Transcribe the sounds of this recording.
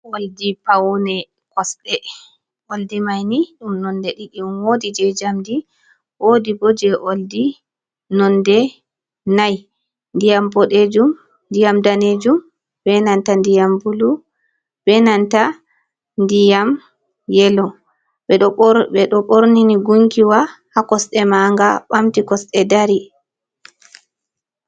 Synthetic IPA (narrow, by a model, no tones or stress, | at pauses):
woldipawnɛ | kɔsɗɛ | ʔoldimajniɗumnɔndɛɗikiunwodid͡ʒɛd͡ʒamdi | ʔodibɔd͡ʒɛʔoldi | nɔndɛ | naj | ndijambɔɗed͡ʒum | ndijamdaned͡ʒum | b̥ɛnantandijambulu | bɛnanta | ndijam | jɛlɔ | ɛɓɛɗɔɓoɾniniɡuŋkiwahakɔsɗɛmaŋɡaɓamtikɔsɗɛdaɾi